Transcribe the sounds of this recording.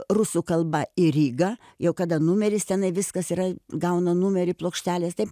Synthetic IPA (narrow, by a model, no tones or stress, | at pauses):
rʊsukɐlˠbɐɪɾʲiːɡɐ | jɛʊkɐd̪ɐnumʲɛɾʲɪst̪ʲɛnɐɪʋʲɪskɐsiːɾɐɡɐʊnɐnumʲɛɾʲɪplˠoːkʃʲt̪ʲæːlʲeːst̪ɐɪp